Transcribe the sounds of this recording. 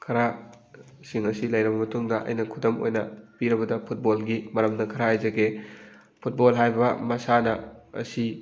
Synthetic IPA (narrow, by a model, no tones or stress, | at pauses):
kʰɐɾa | siŋɐsilɐjɾɐbɐmɐtuŋdɐʔɐ̰jnɐkʰudɐmo̰jnɐpiɾɐbɐdɐpʰut̚bolɡimɐɾɐmnɐkʰɐɾaajzɐɡe | pʰut̚bolɦajbɐmɐsanɐɐ̰si